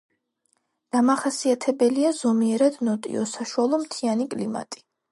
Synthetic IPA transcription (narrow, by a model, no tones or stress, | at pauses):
d̪̥amaχasiat̪ʰɛbɛliazɔmiɛɾad̪nɔt̪ʼḭɔ̰saʃualˠɔmt̪ʰianikʼlima̰t̪ʼi̥